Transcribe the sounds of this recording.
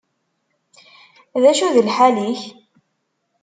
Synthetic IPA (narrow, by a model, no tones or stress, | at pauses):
ðæʃuðəlħaliç